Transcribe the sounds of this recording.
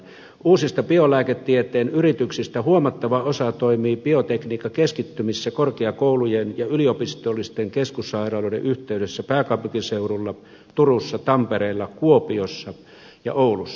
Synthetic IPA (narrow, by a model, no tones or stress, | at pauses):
uːsist̪ɑpiolæːket̪ːiet̪ˑeːnyrit̪yksist̪æhuomɑt̪ːɑʋɑosɑt̪oimiːpiot̪ekniːkːˑɑkeskit̪ːymisːækorkeɑkoulujenjɑyliopist̪olːist̪eŋkeskusːɑirɑːlŏˑdḛʔyht̪eyɾesːæpæːkɑpykiseurulːɑ | t̪urusːɑt̪ɑmpeɾeˑːlːɑkuopiosːɑ | jɑ̰ʔoulusːɑ̥